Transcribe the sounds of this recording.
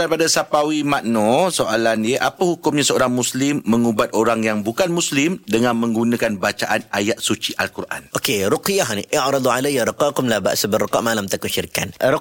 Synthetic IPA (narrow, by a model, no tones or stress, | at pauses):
daɾipadasapawimaʔnɔ̃soalandiəʔapəhukʊmɲãsəoɾaŋmuslɪmːə̃ŋubat̪̚oɾaŋjaŋbukanmuslɪmdəŋãnmə̃ŋɡunãkanbat͡ʃaʔanajat̪̚sut͡ʃiʔalkurʔa̰nokeɾʊqijaɦniʔɪʕɾɑd̪ˤʕalajːaɾəqɑkʊmlaba̰ʔsəbərːəqɑ̰ʔmalamt̪akunʃiɾikan